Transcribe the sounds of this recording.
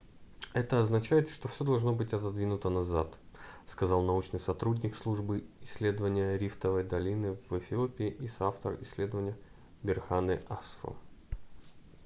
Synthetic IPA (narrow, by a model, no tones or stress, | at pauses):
ɛt̪əɐznɐt͡ɕæjɪt̪ʂt̪ofsʲo̞d̪ɐlˠʐno̞bɨtʲɐt̪ɐd̪vʲinʊt̪ənɐza̰t̪skɐzɑlˠnɐut͡ɕnɨjsɐt̪ɾudʲnʲɪkslˠuʐbɨɪsʲːlʲe̞d̪əvənʲɪjəɾʲift̪əvəjd̪ɐlʲinɨvɛfʲɪopʲɪɪʔisaft̪ə̰rɪsʲlʲe̞d̪əvənʲɪjə | bʲɪrxanɨʔasfo̰